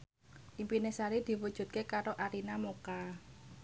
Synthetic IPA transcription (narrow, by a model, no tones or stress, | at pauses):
ʔimpinesaɾid̪̥i̤wud̥ʒ̥ṳt̪̚kekaɾoʔaɾinamoka